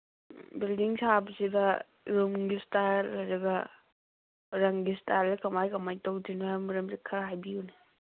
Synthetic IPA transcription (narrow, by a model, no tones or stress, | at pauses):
bildiŋsabɐsidɐ | ɾumɡistaɾlɐɾɐɡɐ | ɾɐŋɡistʰaɾdɐkɐmajkɐmajtowdinoamɐɾɐmsikʰɐɾajbiune